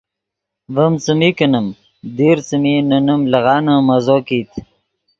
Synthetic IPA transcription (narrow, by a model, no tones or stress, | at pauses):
vəmt͡səmikənəm | d̪iːɾt͡səminənəmlɐɣɑːnəmɐzoːkiːt̪